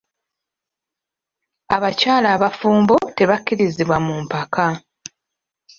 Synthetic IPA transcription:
aβacaːlaːβafuːmbo̞te̞βakːiɾiziβwamumpakʰa

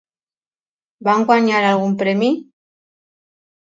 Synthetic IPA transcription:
baŋɡwaɲaɾalɣumpɾemi

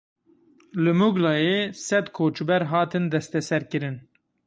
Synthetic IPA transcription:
lɨmuɡlɑːjeːsɛd̪kʰoːt͡ʃbɛɾɦɑːt̪ɨnd̪ɛst̪ɛsɛɾkɨɾɨn

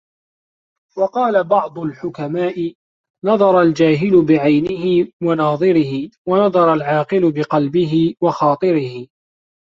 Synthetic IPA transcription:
wɑqɑːlabɑʕd̪ˤʊlħʊkamaːʔɪ | nɑðˤɑɾˤɑld͡ʒaːɦɪlʊbɪʕajnɪɦɪwanɑːðˤɨɾɪhɪwanɑðˤɑɾˤɑlʕɑːqɨlʊbɪqɑlbɪɦɪwɑxɑːt̪ˤɨɾɪhɪ

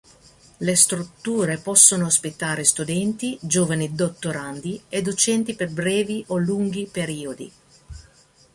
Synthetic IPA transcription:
lest̪ɾut̪ːuːɾepɔsːonoaspit̪ːaːɾest̪ud̪ɛnt̪id͡ʒoːvanid̪ot̪ːoɾand̪ied̪ot͡ʃɛnt̪iperbɾɛːviʔoluŋɡipeɾiːod̪ḭ

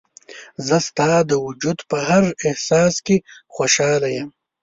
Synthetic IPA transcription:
zəst̪ɑːd̪əwʊd͡ʒud̪pəɦaɾɪhsɑːskexoʃɑːlajɐm

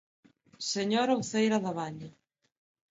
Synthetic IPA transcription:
seɲoɾawθejɾaðaβaɲa

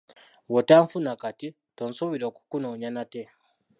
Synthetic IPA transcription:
wotaːɱfunakati | tonsuβiɾo̞ːku̥kuno̞ːɲanate

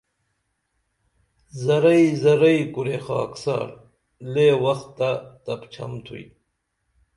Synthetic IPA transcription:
zɐɾɐjzɐɾɐjkuɾexa̰ːksa̰ːɾ | leːwɐxt̪ːat̪ɐpt͡ɕʰɐ̰mt̪ʰṵi

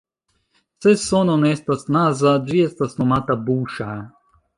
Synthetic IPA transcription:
sɛsonɔnɛst̪asnazad͡ʒiɛst̪asnɔmat̪abuʃa

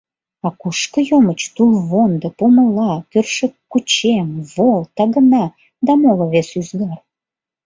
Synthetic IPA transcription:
ɑkuʃkəjomət͡ɕt̪ulβond̪əpoməlɑkørʃəkːut͡ɕemβolt̪ɑɣənɑ | d̪ɑmoloβesyzɡɑr

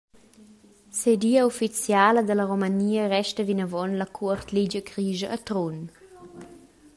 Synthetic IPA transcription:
sediːəufit͡sjaːləd̪ələɾomaniːərɛʃtəvinəvɔnləkʰuərt̪lid͡ʒəkɾiːʒəʔːt̪ɾun

